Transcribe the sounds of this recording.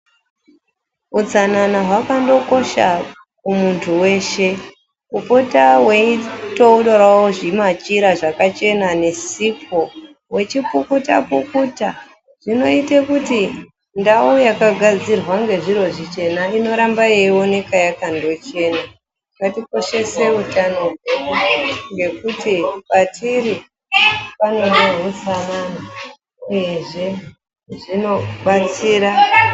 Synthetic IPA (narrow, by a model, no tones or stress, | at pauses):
ud͡zananaɦwakando̞ko̞ʃa | kumuntʰuwe̞ːʃe̞ | upotawe̞ito̞uɗorwawoʐimat͡ʃiɾaʐakat͡ʃe̞nane̞sipʰo̞ | we̞t͡ʃipukuta̰pukuta | ʐ̥ino̞itekuti | ndaujakaɡʱad͡zirwaŋɡe̞ʐiɾo̞ʐit͡ʃe̞naino̞ɾambajeiwo̞nekajakando̞t͡ʃe̞ːna | katiko̞ʃe̞se̞utano | ŋɡe̞kutipatʰiɾi | pano̞neɦusanana | uje̞ʐe̞ | ʐino̞ɓat͡siːɾa